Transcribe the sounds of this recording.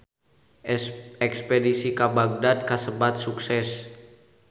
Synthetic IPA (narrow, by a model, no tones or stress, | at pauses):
ɛkspɛdisikabaɡ̚dat̪̚kasəbat̪̚suksɛs